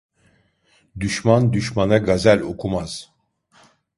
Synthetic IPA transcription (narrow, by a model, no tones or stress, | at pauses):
d̪yʃmand̪yʃmanaɡazælʲo̞kʰumaz̥